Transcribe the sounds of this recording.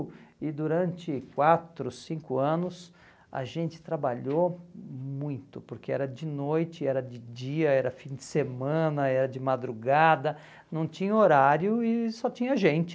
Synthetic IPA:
ɪd̪uɾɐ̃nt͡ʃɪkwat̪ɾʊsĩŋkʊɐ̃nʊs | ɐ̰ʒẽnt͡ʃɪ̥t̪ɾabaʎo | mũj̃t̪ʊpʊɾkeɛ̰ɾɐd͡ʒɪnojt͡ʃɪɛɾɐd͡ʒɪd͡ʒiɐɛɾɐfĩd͡ʒ̪ɪsemɐ̃nɐɛɾɐd͡ʒɪmad̪ɾuɡad̪ɐ | nɐ̃w̃t͡ʃĩɲɐoɾaɾjʊɪsɔt͡ʃĩɲɐʒẽnt͡ʃɪ̥

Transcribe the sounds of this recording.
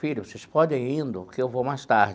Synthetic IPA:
filʊvosespɔd̪ẽj̃ĩnd̪ʊkɪewvowmajst̪aɾd͡ʒ

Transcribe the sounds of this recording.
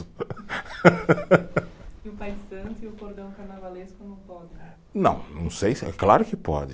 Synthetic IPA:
ʊ | ɪʊpajsɐ̃nt̪ʊiʊkoɾd̪ɐ̃w̃kaɾnavaleskʊnɐ̃w̃pɔd͡ʒɪ | nɐ̰̃w̃nɐ̃w̃sejsɛ̰klaɾʊkɪpɔ̰d͡ʒɪ

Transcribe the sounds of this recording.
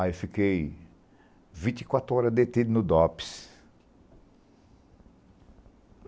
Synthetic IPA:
afikej | vĩt͡ʃ̪i̥kwat̪ɾʊɔɾɐd̪et̪id̪ʊnʊd̪ɔpi̥s

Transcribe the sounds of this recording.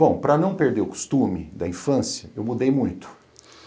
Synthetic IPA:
bõw̃pɾɐnɐ̃w̃peɾd̪eɾʊku̥st̪ũmɪd̪ɐĩfɐ̃sjɐewmud̪ejmũj̃t̪ʊ̥

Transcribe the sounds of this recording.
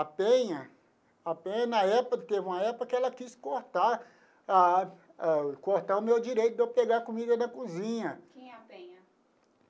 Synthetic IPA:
apẽɲɐ | apẽɲɐnɐɛpɐt̪evũmɐɛpʊkɐkɪɛlɐkiskoɾt̪aɾ | a | akoɾt̪aʊmewd͡ʒiɾejt̪ʊd̪ewpeɡaɾkumid̪ɐnɐkuzĩɲɐkẽaẽɐ

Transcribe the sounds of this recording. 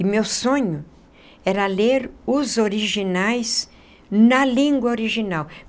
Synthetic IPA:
ɪmewsõɲʊ | ɛɾɐleɾʊzoɾiʒinajz | nɐlĩŋɡwɐoɾiʒinaw

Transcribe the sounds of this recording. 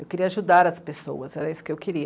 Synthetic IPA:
ewkeɾiɐaʒud̪aɾɐspeso̰wɐsɛɾɐisʊ̥kɪewkeɾi

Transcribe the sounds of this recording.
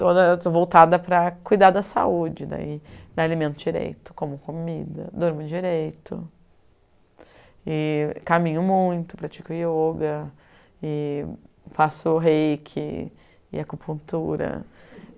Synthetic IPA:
t̪od̪ɐt̪ovowt̪ad̪ɐpɾɐkujd̪ad̪ɐsa̰ud͡ʒɪd̪a̰ialimẽnt̪ʊd͡ʒiɾḛjt̪ʊ̥kõmʊkomid̪ɐ̰d̪oɾmʊd͡ʒiɾejt̪ʊ̰ | ɪkamĩɲʊmũj̃t̪ʊpɾat͡ʃikʊjoɡɐ | ɪ | fasʊɦejkʰɪ̰ | ɪ̰ɐkupũnt̪uɾɐ̰

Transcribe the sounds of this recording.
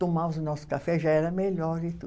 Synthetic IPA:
t̪omaʊzʊnɔsʊ̥kafɛʒaɛɾɐmeʎɔɾɪt̪ṵ

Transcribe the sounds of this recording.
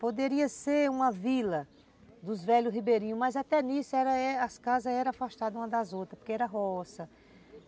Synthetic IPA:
pod̪eɾiɐseɾũmɐvilɐ | d̪ʊzvɛʎʊsɦibeɾĩɲʊmɐjzat̪ɛnisʊɛɾɐɛɐskazɐɛɾɐ̃afaʃt̪ad̪ɐũmɐd̪azot̪ɾɐpo̥keɛɾɐɦɔsɐ

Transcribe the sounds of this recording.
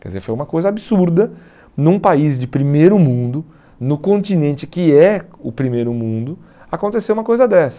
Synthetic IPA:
kɛdɪzeɾfojũmɐkojzɐabɪsuɾd̪ɐ | nũpaizd͡ʒɪpɾimejɾʊmũnd̪ʊ | nʊkõnt͡ʃ̪inẽnt͡ʃɪkɪɛʊpɾimejɾʊmũnd̪ʊ | akõnt̪esewũmɐkojzɐd̪ɛsɐ̥

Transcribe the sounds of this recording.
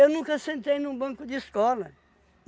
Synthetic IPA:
ewnũkɐsẽnt̪ejnũbɐ̃ŋkud̪iʃkɔlˠɐ

